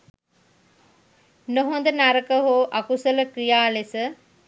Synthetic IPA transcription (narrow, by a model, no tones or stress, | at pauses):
noɦond̪ənaɾəkəɦoʔakusələkɾijaːlesə